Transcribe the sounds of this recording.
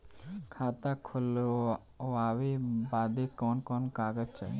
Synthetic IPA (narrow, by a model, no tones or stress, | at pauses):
kʰaːt̪akʰʊl | aːʋebaːd̪ekɔːnkɔːnkaːɡəd͡ʒt͡ʃa̰